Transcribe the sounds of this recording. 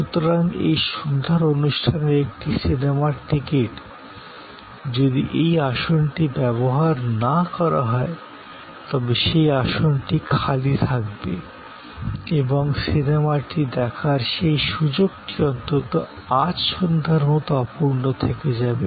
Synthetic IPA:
ʃut̪oɾaŋḛjʃond̪ʱaɾonuʃʈʰaneɾek̚ʈisinemaɾʈikeʈ | d͡ʑod̪iʔejaʃonʈibɛboɦaɾnakɔɾa̰ɦɔe | t̪ɔbeʃejaʃonʈikʰalit̪ʰak̚bḛ | eboŋsinemaʈid̪ɛkʰaɾʃejʃud͡ʑoɡʈiɔnt̪ot̪o | ad͡ʑʃond̪ʱaɾmɔt̪oapuɾnot̪ʰeked͡ʑabe

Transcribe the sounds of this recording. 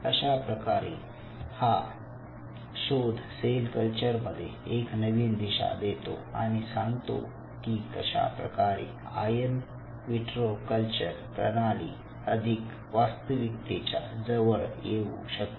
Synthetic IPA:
əɕapɾəkaɾḛ | ha | ɕod̪ʱselkəlt͡ɕəɾməd̪ʱːjeeknəʋiːnd̪iɕa̰d̪et̪o̰a̰ɽ̃isãŋɡt̪o̰ | kiːkəɕa̰pɾə̰kaɾḛ | a̰jən | ʋiʈɾokəlt͡ɕəɾpɾə̰ɽali | əd̪ʱik | ʋast̪əʋik̚t̪et͡ɕa̰d͡zəʋəɭjeṵɕək̚t̪

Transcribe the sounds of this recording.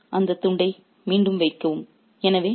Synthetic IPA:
ʔɐnd̪ɐt̪ːʊɳɖɐɪ | miːɳɖɯmʋɐɪkːɐʋɯm | ɛnɐʋeː

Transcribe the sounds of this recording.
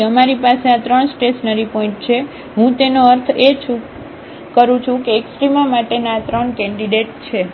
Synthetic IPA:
əmaɾipaseat̪ɾəɳsʈesnəɾipɔĩɳʈ̚t͡ʃʰe | ɦũt̪enoəɾt̪ʰet͡ʃʰu | kəɾũt͡ʃʰũkeːksʈɾimamaʈenat̪ɾəɳkɛ̃ɳɖiɖeʈ̚t͡ʃʰe

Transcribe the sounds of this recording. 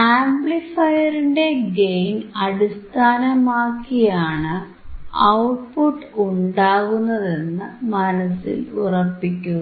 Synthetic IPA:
aːmblifɐjɐɾiɳde̞ɡejnɐɽist̪ʰaːnɐmaːkːijaːɳɨ | ɐwʈ̚puʈːuɳɖaːɣunːɐðe̞nːɨmɐnɐsḭlurɐpːikʲːu

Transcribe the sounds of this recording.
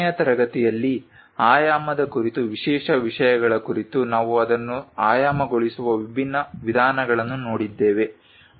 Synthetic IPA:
jɐt̪ɐɾɐɡɐt̪ijɐlːi | aːjaːmɐd̪ɐkuɾit̪uʋiʂɛːʂɐʋiʂɐjɐɡɐɭɐkuɾit̪unaːʋuɐd̪ɐnːuaːjaːmɐɡoɭisuʋɐʋibʱinːɐʋid̪ʱaːnɐɡɐɭɐnːunoːɽid̪ːeːʋe̞

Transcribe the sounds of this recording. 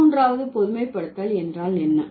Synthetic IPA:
uːndraːʋɐðɯpɔðɯmɐɪpːɐɽɯt̪ːɐlɛndraːlɛnːɐ

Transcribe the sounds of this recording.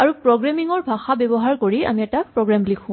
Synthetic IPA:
aɹupɹoɡɹamiŋɔɹbʱaxabɛbɔɦaɹkoɹia̰miɛtapɹɔɡɹamblikʰũ

